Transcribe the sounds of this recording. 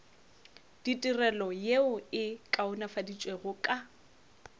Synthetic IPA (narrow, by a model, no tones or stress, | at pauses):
d̥itʼirɛlɔjeʊɪkʼaʊnafadit͡ʃʼweɣʊkʼa